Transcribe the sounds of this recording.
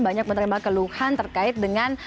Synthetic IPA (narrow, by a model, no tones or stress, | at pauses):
baɲak̚mənəɾimakəluhant̪ərkaɪt̪̚dəŋan